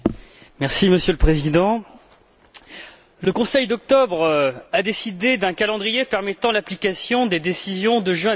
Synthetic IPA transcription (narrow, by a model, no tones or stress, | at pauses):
mɛʁsiməsjøləpχezid̪ɑ̃ | ləkɔ̃sɛjd̪ɔk̚t̪ɔbʁad̪esid̪ed̪ɛ̃kalɑ̃d̪ʁijepɛʁmɛt̪ɑ̃laplikasjɔ̃d̪ed̪esizjɔ̃d̪əʒɥɛ̃